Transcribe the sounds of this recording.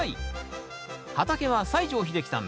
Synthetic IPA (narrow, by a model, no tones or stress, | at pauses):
i | hat̪ake̞βasaiʑo̞ːçid̪e̞kʲi̥t̪ã̰m